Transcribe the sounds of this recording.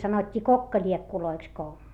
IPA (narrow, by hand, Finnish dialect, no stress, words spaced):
sɑnotʲːiː kokːɑlʲiekːuloiks ko